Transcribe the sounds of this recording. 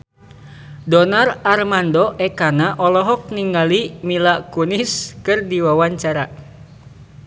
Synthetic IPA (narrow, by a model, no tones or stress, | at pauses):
dɔnararmandɔʔɛkanaʔɔlɔɦɔk̚niŋɡalimilakuniskɨrdiwawaɲt͡ʃaɾa